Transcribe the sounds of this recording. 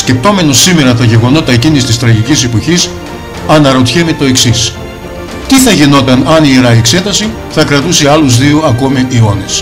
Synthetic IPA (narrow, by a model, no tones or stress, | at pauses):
sce̞p̚t̪o̞me̞no̞sːime̞ɾɐt̪ɐʝe̞ɣo̞no̞t̪ɐe̞cinist̪ist̪ɾɐʝicisipoçis | ɐnɐɾo̞t̪çemet̪o̞e̞ksis | t̪iθɐʝino̞t̪ɐnɐniiɾɐiekse̞t̪ɐsi | θɐkɾɐt̪useɐluzðiuɐko̞miʔːo̞nes